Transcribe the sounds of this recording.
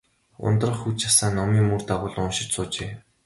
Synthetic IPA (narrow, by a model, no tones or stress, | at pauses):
ʊ̰nt̪rə̆χxut͡ɕasaːnːɔmiːŋmurt̪aʁʊːɮʊnʃɪ̆t͡ɕsʊːt͡ɕeː